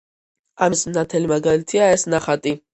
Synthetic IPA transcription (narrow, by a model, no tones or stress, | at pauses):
amismnat̪ʰɛlimaɡalit̪ʰiaɛsnaχat̪ʼi